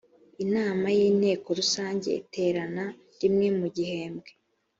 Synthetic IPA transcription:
inaːmajiːn̥he̞ːko̞ɾusaːɲɟe̞̰ḭtʰe̞ːɾana | ɾimŋe̞muɟihe̞ːmbɡe

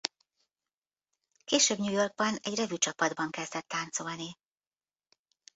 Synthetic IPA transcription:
keːʃøːbɲuːjo̞rɡ̚bɒnɛɟrɛvyt͡ʃɒpɒd̪bɒŋkɛzd̪ɛt̪ːaːnt̪so̞lni

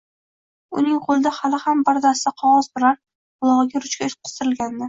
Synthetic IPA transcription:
ʊ̰nɪŋqʰolˠɪd̪ahalɪhambaɾd̪asɪd̪aqʰɒʁɒz̥b̪ʊɾaɾ | bʊlˠɒʁɨɡʲaɾʊt͡ʃkʲaʃ̚qʰɨ̥st̪ɪɾɪlɡʲand̪ɪ

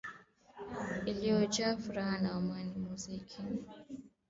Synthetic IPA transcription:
ilijɔt͡ʃafuɾahanaamanimuzikʰi

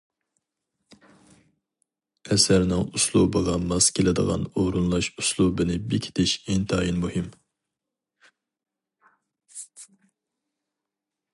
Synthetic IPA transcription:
ɛsæɾnɪŋuslˠubɨʁɑmɑzkʲʰelɪd̪ə̰ʁɑ̰noɾunlˠɑʃuslˠubɪnɪbɪkʲʰi̥t̪ʰɪʃeŋt̪ʰɑjinmuhɪm

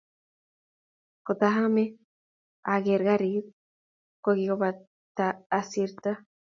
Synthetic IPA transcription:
kot̪aɦame | aɣeɾɣaɾið | koɣioβa | t̪aːsiɾt̪a

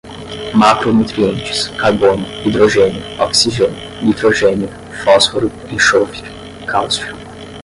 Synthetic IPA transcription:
makɾonut̪ɾiẽnt͡ʃi̥skaɾbõnʊid̪ɾoʒẽnjʊɔksiʒenʊ | nit̪ɾoʒẽnʊ | fɔsfoɾʊ | ĩʃofi | kʰawstɾu

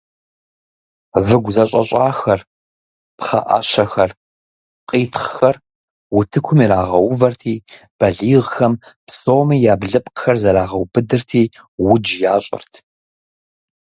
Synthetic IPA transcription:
vɨɡʷzɐɕʼɐ̰ɕʼaːxɐr | pχɐ̰ʔɐ̰ɕɐxɐr | qʼiːtʰχxɐr | wʊtʰɨkʷʰʊmiɾaːʁɐwʊvɐrtʰiː | b̥ɐɮiːʁxɐmpsoːmijaːbɮɨpʼqxɐrzɐɾaːʁɐwbʰɨdɨrtʰiː | wʊd͡ʒjaːɕʼɪ̰rtʰ

